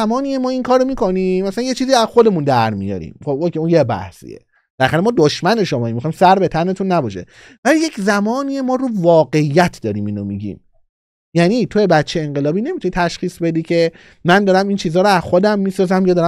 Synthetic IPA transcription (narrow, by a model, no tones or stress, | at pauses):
mɒːniːjemɒːiŋkʰɒːɾomiːkʰo̞niːmæsælænje̞t͡ʃʰiːziːæzxo̞d̪e̞mund̪æɾmḭjɒ̰ɾḭmχobokʲeunjebæ̰hsḭjḛ | b̥elæxæɾemɒːd̪oʃmæne̞ʃomɒːimːixɒimsæɾbe̞t̪ʰæne̞t̪ʰunːæbɒːʃe̞̰ | vælije̞czæmɒːniːjemɒːɾuvɒːɡe̞ijːæt̪ʰd̪ɒːɾiːmiːnomiɟḭːm | jæniːt̪ʰojebæt̪t͡ʃʰːeeŋɢelɒːbiːne̞mit̪ʰunit̪ʰæʃxiːsbe̞d̪iːcʰe̞ | mænd̪ɒːɾæmint͡ʃʰiːzɒːɾoæzxo̞d̪æmːiːsɒːzæmjɒd̪ɒːɾæ